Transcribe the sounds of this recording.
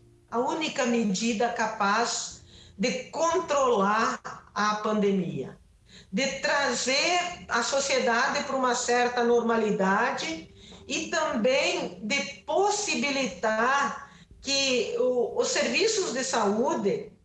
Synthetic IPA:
aunikɐmed͡ʒid̪ɐkapazd̪ɪkõnt̪ɾolaɾapãnd̪emiɐ̰ | d̪ɪt̪ɾazeɾasosjed̪ad̪ɪpoɾumɐsɛɾt̪ɐnoɾmalid̪ad͡ʒɪit̪ɐ̃mbẽŋd̪ɪposibilit̪aaɾ | kɪː | sːeɾvisʊzd̪ɪsaud̪e

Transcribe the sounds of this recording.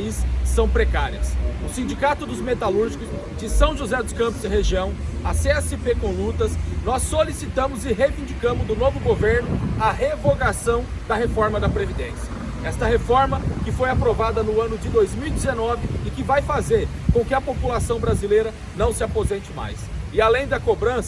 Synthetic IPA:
isːɐ̃w̃pɾekaɾiɐsʊsĩnd͡ʒikat̪ʊd̪ʊzmet̪aluɾʒikʊz | d͡ʒɪsɐ̃w̃ʒuzɛd̪ʊskɐ̃pʊzd͡ʒ̪ɪɦeʒiɐ̃w̃ɐseɛsɪpekõlut̪ɐsnɔsːolisit̪ɐ̃mʊzɪɦejvĩd͡ʒikɐ̃mʊzd̪ʊnovʊɡoveɾnʊɐɦevoɡasɐ̃w̃d̪ɐɦefɔɾmɐd̪ɐpɾevid̪ẽsiɐ | ɛst̪ɐɦefɔɾmɐkɪfojapɾovad̪ɐnʊɐ̃nʊd͡ʒɪd̪ojzmiwid͡ʒ̪ɪzenɔvɪːkɪvajfazeɾkõkɪɐpopulasɐ̃w̃bɾazilejɾɐ | nɐ̃w̃sɪapozẽnt͡ʃɪma̰jsɪalẽj̃d̪ɐkobɾɐ̃sɐ

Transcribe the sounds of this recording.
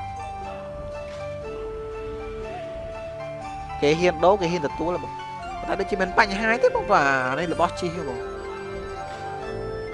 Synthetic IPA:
keːɦiənɗoːkeːhɦiənt̪ɔt̪uələɓɔŋ | pʰɔnaɗoːt͡ɕiəmiənpaɲːɦaːɲt̪eːɓɔːŋɓaːnɨləɓɑht͡ɕihɦəɓɔː

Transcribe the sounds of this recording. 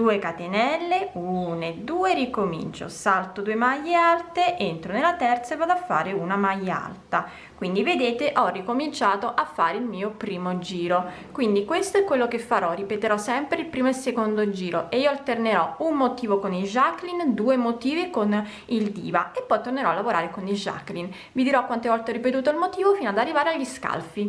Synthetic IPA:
d̪uːekat̪enɛlːeuːned̪uːerikomḭnt͡ʃo̰salt̪od̪uemajːealt̪eʔent̪ɾonelːat̪ɛrt̪saevːad̪afːa̰ːɾeunamajːa̰lt̪a | kwind̪ived̪eːt̪eʔɔrːikomint͡ʃaːt̪oʔafːaːɾeilmiːopɾiːmod͡ʒiːɾo | kwind̪ikwest̪oɛkːwelːokefːaɾɔripet̪eɾɔsɛmpɾeilpɾiːmoelsekond̪od͡ʒiːɾoʔeiːoalt̪erneɾɔunmot̪iːvokonid͡ʒakːlind̪uːemot̪iːvikon | ild̪ḭːvaepːɔjt̪orneɾɔalːavoɾaːɾekonid͡ʒa̰kːlin | vid̪iɾɔkːwant̪evɔlt̪eɔrːipet̪uːt̪̬oilmot̪iːvofiːnoad̪arːivaːɾeaʎːiska̰lfi

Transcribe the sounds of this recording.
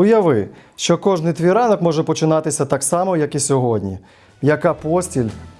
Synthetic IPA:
ʊjɐʋɪʃt͡ʃɔkɔʒnɪjt̪ʋʲiɾɑnɔkmɔʒɛpɔt͡ʃɪnɑt̪ɪsʲɐt̪ɑksɑmɔjɐkisʲɔɦɔdʲnʲḭ | jɐkɑpɔsʲtʲilʲ

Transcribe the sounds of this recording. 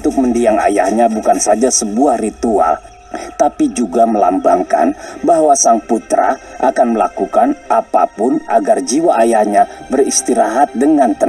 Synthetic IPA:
t̪ʊk̚məndiaŋa̰jahɲabukansad͡ʒasəbuahrit̪ua̰l | t̪apid͡ʒuɡaməlambaŋka̰nbahwasaŋput̪ɾa̰ʔakanməlakukanʔapa̰pʊnaɡard͡ʒiwaːjahɲabərist̪iɾaɦat̪̚dəŋant̪ə

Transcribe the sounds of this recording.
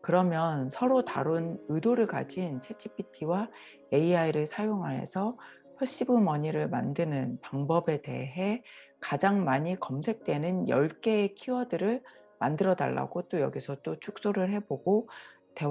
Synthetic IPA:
kɯɾʌmjʌnsʰʌɾota̰ɾonɯdoɾɯɭka̰d͡ʑint͡ɕʰe̞t͡ɕʰipʰitʰiwa | e̞iaiɾɯɭsʰajoŋɦaɦe̞̰sʰʌ | ɸʰʌɕ͈ibumʌɲiɾɯɭma̰ndɯnɯnpaŋbʌbe̞te̞̰ɦe̞kad͡ʑaŋmaɲikʌmsʰe̞k̚t͈we̞nɯnjʌ̰ɭk͈e̞ːkʰiwʌdɯɾɯɭ | mandɯɾʌda̰ɭːa̰ɡot͈ojʌ̰ɡisʰʌt͈ot͡ɕʰuk̚s͈oɾɯɭɦe̞boɡo | te̞

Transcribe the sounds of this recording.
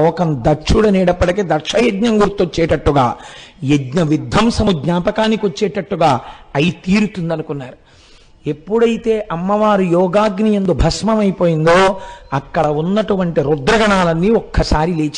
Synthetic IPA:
ɔːkɐnd̪ɐɾt͡ʃuɽɐnɛːɽɐpːɐʈikeːd̪ɐɾʂɐjed̪ɲɐŋɡuɾt̪ot͡ʃːɛːʈɐʈːuɡa̰ːjedɲɐʋid̪ʱːɐmsɐmuɡɲaːpɐkaːnːikiot͡ʃːɛːʈɐʈːuɡaːɐjit̪iːɾut̪und̪ɐnukunːaːɾu | e̞pːuɽɐjit̪e̞ːʔɐmːɐʋaːɾujɔːɡaːɡnijend̪obʱɐsmɐmɐjipo̞ːjind̪o̞ːɐkːɐɽɐunːɐʈuʋɐɳʈiɾud̪ɾɐɡɐɳaːlɐnːiːɔkːɐsaːɾileːt͡ʃ

